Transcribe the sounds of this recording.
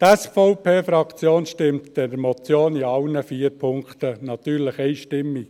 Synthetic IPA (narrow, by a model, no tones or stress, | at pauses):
tɛsfoʊpʰeːfɾɑkt͡sjoːnʃtɪmtd̥ɛdəɾmɔt͡sjoːniɑlnəfiːəɾpʰʊŋkχt̪ənɑt̪yːɾləχɛɪjʃtɪmːi